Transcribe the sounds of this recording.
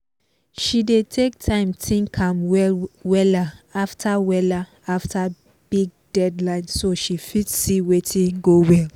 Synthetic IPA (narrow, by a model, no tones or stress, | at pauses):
ʃidetʰek̚tʰãɪ̃mtʰĩnkʰãmwɛwɛlaaftʰawɛla | aftʰa | b̥iɡ̚dɛdlãɪ̃nsoʃifitsiwetʰĩnɡowɛl